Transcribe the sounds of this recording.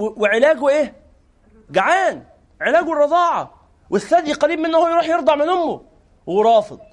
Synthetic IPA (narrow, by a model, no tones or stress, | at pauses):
weʕelæːɡuʔeː | ɡaʕaːn | ʕelæːɡuwɾˤɑd̪ˤɑːʕɑ̰ | wesθːæd̪iqɑliːb̚menːʊhowjɾˤuːħjeɾd̪ɑʕmænʊmːo | weɾˤɑːfed̪̥̚ˤ